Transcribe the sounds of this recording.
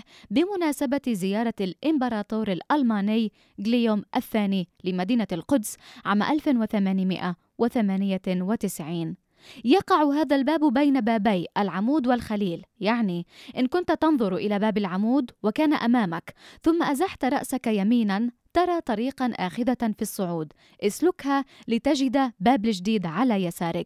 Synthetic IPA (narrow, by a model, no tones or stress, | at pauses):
bɪmʊnaːsabazɪjɑːɾˤɑlʔɪmbɑɾˤɑːt̪ˤoːɾalʔalmaːnɪjː | ɡlɪjomʔaθːaːnilɪmad̪iːnalqʊd̪sʕaːmʔalfnwɪθamaːnmɪ̰ʔa | wɪθamaːnɪjawɪt̪ɪsʕiːn | jɑqɑʕɦaːðalbaːbbajnabaːbaːʔalʕamuːd̪wɪlxaliːljaʕniʔɪnkʊnt̪t̪ɑnðˤʊɾʔɪlabaːbɪlʕamuːd̪wɪkaːnaʔamaːmakθʊmːaʔazaħt̪ɾˤɑʔsakajamiːnan | t̪ɑɾˤɑːt̪ˤɑɾiːqɑʔaːxɪðafisˤːʊʕuːd̪ | ʔɪslʊkhalɪt̪ad͡ʒɪd̪abaːbɪlʒd̪iːd̪ʕalajasaːɾˤɪk